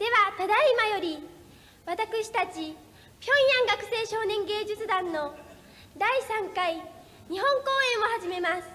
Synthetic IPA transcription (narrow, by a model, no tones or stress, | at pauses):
d̪̥e̞βat̪ad̪aimajo̞ɾʲi | βat̪akɯ̟ɕi̥t̪at͡ɕi | pʲõ̞j̃jãŋɡakɯ̟̥se̞ːɕo̞ːnẽ̞ŋɡe̞ːd͡ʑɨt͡sɨd̪ãnːo̞ | d̪aisãŋkai | ɲ̟iɦõ̞ŋko̞ːẽ̞ɰ̃o̞haʑime̞masɨ̥